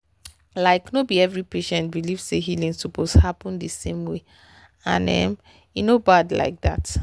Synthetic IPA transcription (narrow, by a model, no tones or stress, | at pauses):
laɪknobiɛvɹipeʃɛ̃nt̚biliv̥seɦilĩnsuposhapɔ̃ndəsẽmwe | ã̰nɛ̰m | inobadla̰ɪk̚ða̰t